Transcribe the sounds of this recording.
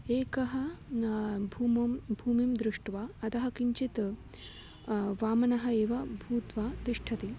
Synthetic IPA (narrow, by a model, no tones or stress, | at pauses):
eːkɐɦɐ | bʱuːmɐmbʱuːmimd̪ɾɪʂʈʋaɐt̪ɐɦɐkiɲt͡ʃit̪ | ʋaːmɐnɐɦɐeːʋɐbʱuːt̪ʋat̪ɾiʂʈʰɐt̪i